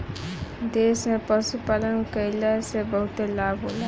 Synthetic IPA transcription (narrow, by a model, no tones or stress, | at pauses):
d̪esmepəsupalənkəjlasebəɦut̪elabɦola